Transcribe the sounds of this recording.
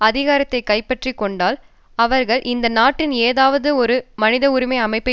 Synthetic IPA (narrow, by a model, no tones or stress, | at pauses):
ɐðɪɣaːɾɐt̪ːɐɪkɐɪpːɐʈrikːɔɳɖaːl | ɐʋɐɾɣɐɭʔɪnd̪ɐnaːʈːɪneːðaːʋɐðɯɔɾɯmɐnɪðɐʊɾɪmɐɪɐmɐɪpːɐ